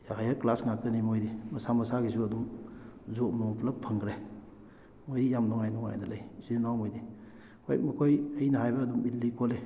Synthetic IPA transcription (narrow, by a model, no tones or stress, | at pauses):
jaɦajɐɾklasŋak̚tɐnimojdimɐsamɐsaɡisuɐdumzot̚mɔŋplɐpʰːɐŋɡɾe | mojdijamnɔŋajnɔŋa̰jnɐlɐjsunawmojdi | hojk̚mɐkʰojɐjnɐɦajbɐːdumilːikʰole